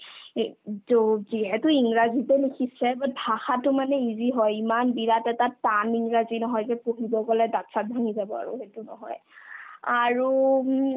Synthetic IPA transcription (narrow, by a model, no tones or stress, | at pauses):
zoziɦɛtʊiŋɹazitɛnikʰisɛbabʱaxatʊmanɛiziɦɔjimanbiɹatɛtataniŋɹazinɔɦɔjzɛpoɦibɔkɔlɛdatsat̚bʱaŋizabɔa̰ɹṵɦetʊnɔ̰ɦɔ̰j | aɹu